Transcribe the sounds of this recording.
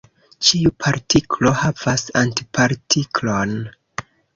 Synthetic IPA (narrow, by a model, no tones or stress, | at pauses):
t͡ʃiupʰaɾtʰiklo̞hav̥asantipʰaɾtʰikʰlon